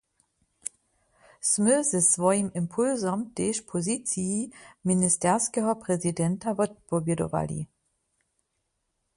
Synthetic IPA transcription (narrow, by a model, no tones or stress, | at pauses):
sməzɛsvɔjimɪmpʰulzɔmteːʃpʰɔzit͡siiministɛɐskɛɦɔpʁɛzidɛntavɔt̚pɔbjɛdɔ̰va̰lḭ